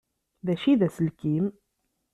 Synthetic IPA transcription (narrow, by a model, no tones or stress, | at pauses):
ðæʃiðæsəlkim